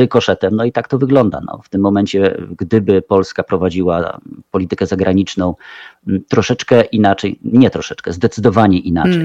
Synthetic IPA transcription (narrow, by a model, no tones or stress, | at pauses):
ɘkɔʂɛt̪ɛmnɔit̪akt̪ɔvɘɡlɔnd̪a̰nɔ̰ft̪ɘmːɔmɛɲt͡ɕɛɡd̪ɘbɘpɔlskapɾɔvad͡ʑiwa̰pɔlʲit̪ɘkɛzaɡɾaɲit͡ʂnɔ̃w̃t̪ɾɔʂɛt͡ʂkɛʔinat͡ʂɛjɲɛt̪ɾɔʂɛt͡ʂkɛzd̪ɛt̪sɘd̪ɔvaɲɛʔina̰t͡ʂɛj